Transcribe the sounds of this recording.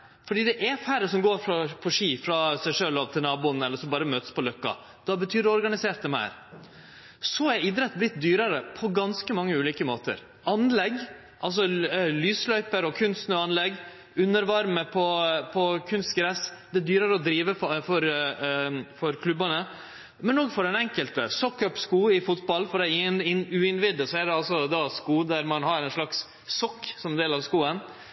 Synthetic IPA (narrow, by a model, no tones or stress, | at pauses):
fɔɖiːd̪ɛʔæfæɾəsɔmɡoːɾfɾɑpʰɔʂiːfɾɑsæɪʂøːlɑːʋt̪ʰɪlnɑːbuːənɛlːəɾsɔmbɑːɾəmøːt̪ə̥spɔlœkːɑ̰ | d̪̥ɑːbət̪ʰyːɖɛɔɾɡɑnɪseːʈd̪əmæ̰ːɾ | sɔæɾɪd̪ɾɛt̪ːblɪt̪̚d̪yːɾəɾəpʰɔɡɑnskəmɑŋːəʉːliːkəmoːt̪ə̰ɾ | ʔɑnlɛɡ | ʔɑls̬ɔlyːslœʏpəɾɔkʰʉnssnøːɑnlɛɡ | ʉnːəɾʋɑɾməpʰɔpʰɔkʰʉnst̪ɡɾɛsd̪ɛd̪yːɾəɾəɔd̪ɾiːʋəffɔɾ | fɔɾkʰlʉbɑnə | mɛnɔɡfɔɾɛnɛŋkəlt̪əsɔkːœpskuːɪfʊt̪bɑlfɔɾɖ̪ɛnɪʉːɪnʋɪd̪əsɔæd̪ɛɑlsɔd̪ɑskuːd̪æɾmɑnɦɑɾɛɪnʂlɑksː | ɔkːsɔmɛnd̪eːlɑʋskuːən